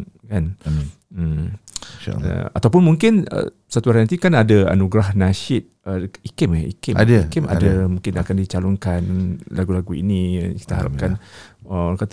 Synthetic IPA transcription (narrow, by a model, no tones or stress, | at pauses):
kan | m̩̰ | a̰at̪awp̬ʊnmuŋkɪnə̰ | sat̪uaɾanat̪ikanadaa̰nuɡɾahnaʃɪt̪̚əikɪmɛḭkɪmadikɪma̰damũŋkɪnakandit͡ʃalɔŋkanlaɡulaɡuḭniki̥t̪əɦaɾa̰p̚kanəakat̪